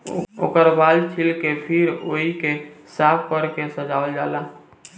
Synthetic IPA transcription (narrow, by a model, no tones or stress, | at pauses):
o̰ːkəɾbalt͡ʃʰilkepʰiɾoikesapʰkəɾkesəd͡ʒaəld͡ʒala